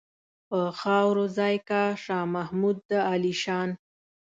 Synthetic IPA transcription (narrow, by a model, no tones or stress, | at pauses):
pəxɑwɾozɑjkaʃɑmahmud̪̚ːəaliʃɑn